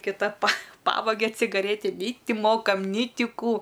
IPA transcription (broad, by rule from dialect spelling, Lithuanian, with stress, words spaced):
kʲɪˈtɐ pɐ ˈpɑːʋɐɡʲɛ t͡sʲɪɡɐˈrʲeːtʲɪ nʲɛɪ ˈtʲɪ ˈmoːkɐm nʲɛɪ ˈtʲɪ ˈkuː